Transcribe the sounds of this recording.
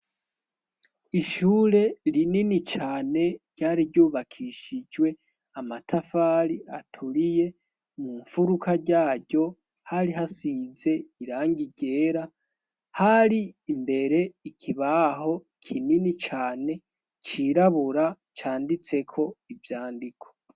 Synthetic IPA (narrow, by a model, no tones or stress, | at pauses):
iʃuːɾe̞ɾininit͡ʃaːne̞ɾɟ̥aːɾiɾɟuːβakʰiʃid͡ʒwe̞ | amatʰafaɾiatʰuɾije̞ | muɱfuɾukʰaɟaːɟo̞ | haɾiɦasiːze̞iɾaːŋɟiɟe̞ːɾa | haɾiːmbe̞ɾe̞ikʰiβaɦo̞ | kʰininit͡ʃaːne̞ | t͡ʃiɾaβuɾa | t͡ʃaːndit͡se̞kʰo̞ivjaːndikʰo